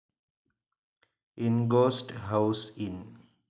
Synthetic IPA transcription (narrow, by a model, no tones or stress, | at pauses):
inɡoːsʈɦaʊsĩn